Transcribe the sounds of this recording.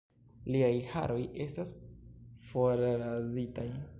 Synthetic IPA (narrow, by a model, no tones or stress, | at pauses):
liajha̰ɾʔo̞je̞stas | fo̞ɾɾazitaj